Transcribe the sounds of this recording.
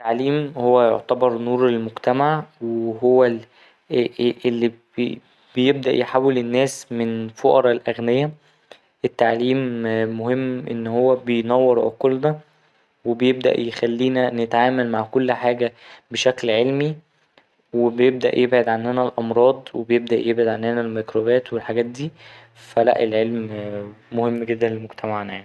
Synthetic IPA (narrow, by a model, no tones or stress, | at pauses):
t̪ːaʕliːmhowːæjo̰ʕt̪ɑbɑɾˤnuːɾelmoɡt̪æmaʕweɦowːæ | ʔelːi | b̥ejeb̚d̪æʔjħaːwːelenːæːsmenfoʔɑɾˤɑlʔæɣnejːæ | ʔet̪ːaʕliːmːohemːʔḛnːhowːæbejnæwːeɾʕoqlnæ | webejeb̚d̪æ̰ʔjexælːiːnænet̪ʕaːmælmaʕkolːħaːɡæbeʃæklʕelmi | webejeb̚d̪æʔjʔebʕed̪ʕanːænælʔɑmɾˤɑːd̪ˤwebejeb̚d̪æʔjebʕed̪ʕanːænælmekɾobæːt̪welħaɡæːt̪̚d̪iː | fælæ̰ʔelʕelmmohemːɡed̪ːænlemoɡt̪ʰæmaʕnæja̰ʕni